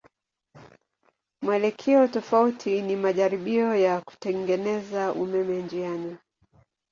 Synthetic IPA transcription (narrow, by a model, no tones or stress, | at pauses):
mwɛlɛkʰɛɔtɔfautʰinimaʄaɾiɓiɔjaku̥tɛŋɡɛnɛzaʔumɛmɛnd͡ʒiana